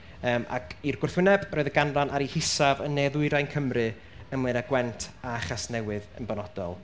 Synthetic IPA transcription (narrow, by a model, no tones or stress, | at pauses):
əːmʔa̰kʰirɡʊrθwɪnɛbroɨðəɡanranʔaɾihɪsavənːeðʊɨɾajnkʰəmrɨ | ənmlenaɡwɛntʰaaχasnɛwɨðə̰nbɔnɔd̥ɔ̰lˠ